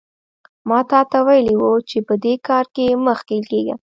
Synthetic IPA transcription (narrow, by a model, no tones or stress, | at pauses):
mɑt̪ɑt̪awajəlewut͡ʃepəd̪ekɑɾkeməxkelkeɡa̰